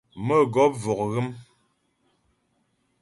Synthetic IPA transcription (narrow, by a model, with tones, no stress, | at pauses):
mə˦˨ɡɔ˨˦p̚vɔ˨k̚ɣɨ˦m